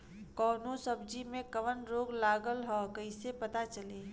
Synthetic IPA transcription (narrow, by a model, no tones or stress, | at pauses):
kɔːnosəb̚d͡ʒimẽkɐʋənɾoːɡlaːɡəlɦɔkəɪsepɐt̪at͡ʃɐleː